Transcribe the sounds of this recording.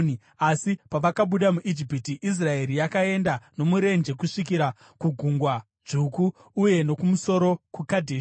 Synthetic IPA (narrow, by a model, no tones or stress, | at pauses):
asipaʋakaɓuɗamuʔid͡ʒipitiʔis̬rae̞ɾijakae̞ndano̞muɾe̞nd͡ʒe̞kuʂikiɾa | kuɡʱuŋɡwa | ʐukuː | je̞no̞kumuso̞ɾo̞kukadʱeː